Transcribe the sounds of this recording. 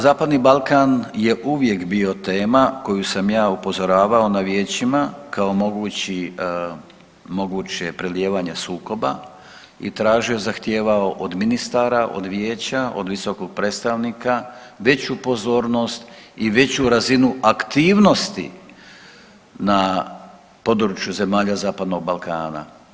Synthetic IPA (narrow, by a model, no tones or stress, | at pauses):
zaːpad̪nibalkaːnje̞ʔuʋje̞kbio̞t̪e̞ːmako̞jusamjaːupo̞zo̞ɾaːʋao̞naʋje̞ːt͡ɕimakao̞mo̞ɡuːt͡ɕi | mo̞ɡuːt͡ɕe̞pɾelje̞ːʋaɲe̞suːko̞ba̰ | ḭt̪ɾaːʒio̞zaxt̪je̞ːʋao̞ʔod̪minist̪aɾaʔo̰d̪ʋjeːt͡ɕaʔo̞̰d̪ʋiso̞koɡ̥̚pɾe̞t̪st̪aʋnika | ʋe̞t͡ɕupo̞zo̞ːɾno̞st̪iʋe̞t͡ɕuɾazinuʔakt̪iːʋno̞st̪ḭ | na | po̞d̪ɾut͡ʃjuze̞maːʎazaːpad̪no̞ɡ̚balˠkaːna̰